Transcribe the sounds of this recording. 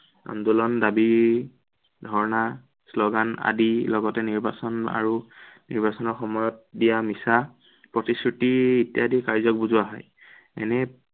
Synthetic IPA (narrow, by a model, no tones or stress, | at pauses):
a̰ndulɔndabi | dʱɔɹna | slɔɡana̰dilɔɡɔtɛniɹbasɔna̰ɹuniɹbasɔnɔɹxɔmɔjɔt̚dijamisa | pɹɔtiskɹitiitijadikaɹzɔk̚buzʊaɦɔj | ɛ̰nɛ